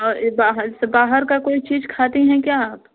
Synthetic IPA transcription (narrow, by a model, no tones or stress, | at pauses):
ɔːɾbaːɦəsbaːɦəɾkakoːit͡ʃiːzkʰaːt̪iɦɛ̃kjaaːp